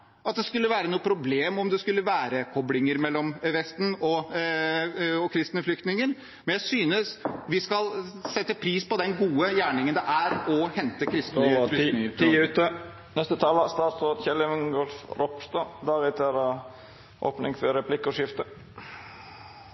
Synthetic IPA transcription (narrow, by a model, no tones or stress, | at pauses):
ɑt̪̚d̪ɛskʉlːəʋæːɾənuːəpʰɾʊbleːmɔmd̪ɛskʉlːəʋæːɾəkʰɔblɪŋəɾmɛlːɔmʋɛst̪n̩ɔ | ɔkʰɾɪst̪nəflʏkt̪nɪŋən | mɛnjæɪsyːnəsʋɪskɑlsɛt̪ːəpʰɾiːspɔd̪ɛnɡuːəjæːɳɪŋənd̪ɛʔæɾɔhɛnt̪əkʰɾɪst̪flnɪŋəɾʰʉt̪ə | nɛst̪ət̪ʰɑləst̪ɑːt̪sɾoːd̪çɛləʋəŋɡɔlfɾɔpst̪ɑd̪ɑːɾɪt̪ʰəɾɑ | ʔo̰ːpnɪŋfɔɾɛpʰlɪkːɔʂɪft̪ə